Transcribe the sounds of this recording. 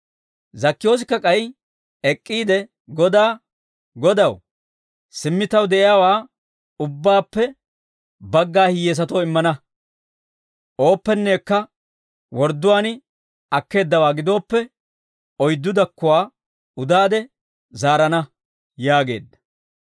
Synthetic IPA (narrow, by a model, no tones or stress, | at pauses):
zɐkːɪjo̞ːs̬ɪkːɐkʼɐj | ɛkʼːiːd̪ɛ | ɡɔd̪aː | ɡɔd̪ɐw | sɪmːɪt̪ɐwd̪ɛʔɪjaːwaː | ʊbːaːpːɛ | bɐɡːaːhɪjeːs̬ɐt̪oːɪmːɐnɐ | ʔo̞ːpːɛnːeːkːɐ | wɔɾd̪ːʊwaːnɪ | ɐkːe̞ːd̪ːɐwaːɡɪd̪o̞ːpːɛ | ɔjd̪ːʊd̪ɐkːʊwaː | ʊd̪aːd̪ɛ | zaːɾɐnɐ | jaːɡe̞̰ːd̪ːɐ̥